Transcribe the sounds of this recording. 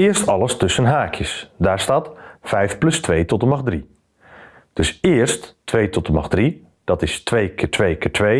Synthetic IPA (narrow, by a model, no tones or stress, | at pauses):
ɪəɹstɑlˠəstɵsənɦaːkʰjəsdaːɹstaːtfɛjfplɵstʋeːjtɔtəmaxdri | d̥ɵsɪːəɹsttʋejtɔtəmaxdri | d̥ɑtɪstʋejkʰɪːɹtʋejkɪːɹtʋej